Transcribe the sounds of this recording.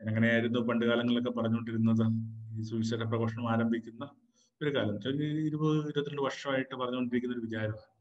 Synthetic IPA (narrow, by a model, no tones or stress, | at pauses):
enɐŋːɐnejaːjiɾunːupɐɳɖɨɣaːlɐŋːɐɭo̞k̬ːe̞pɐrɐɲːuko̞ɳɖiɾunːɐðɨiːsuʋiɕɐʈːɐprɐɣoːʂɐɳɐmaːɾɐmbʱikʲːunːɐ | o̞ɾukaːlɐmit͡ɕːɐiɾubɐiɾubɐt̪ːiɾɐɳɖɨʋɐrʂɐmaːjiʈːɨpɐrɐɲːuko̞ɳɖiɾik̬ʲːunɐo̞ɾuʋid͡ʑaːɾɐmaːɨ